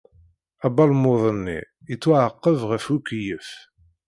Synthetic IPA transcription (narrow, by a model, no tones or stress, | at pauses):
æbɑlmoðˤənːḭ | ət͡sːʊʕəqːəvʁəfukːjəf